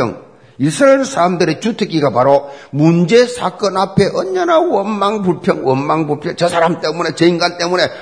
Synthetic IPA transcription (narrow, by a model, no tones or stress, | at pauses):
ʌ̰ŋ | isʰɯɾaeɭsʰaɾamdɯɾet͡ɕutʰɯk͈iɡapaɾomund͡ʑe̞sʰak͈ʌnapʰe̞ʔʌnd͡ʑʌnawʌnmaŋpuɭpʰjʌŋwʌnmaŋbuɭpʰjʌŋt͡ɕʌsʰaɾamt͈e̞mune̞t͡ɕeinɡant͈e̞mune̞